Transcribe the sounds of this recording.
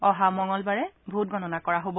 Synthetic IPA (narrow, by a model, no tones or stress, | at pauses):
ɔɦamɔŋɔlbaɹɛbʱut̚ɡɔnɔnakɔɹaɦobɔ